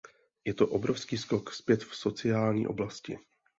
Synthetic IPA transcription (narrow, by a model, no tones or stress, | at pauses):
jɛt̪o̞ʔo̞bɾo̞fskiːsko̞kspjɛt̪fso̞t͡sɪjaːlɲḭːʔo̞blascɪ̰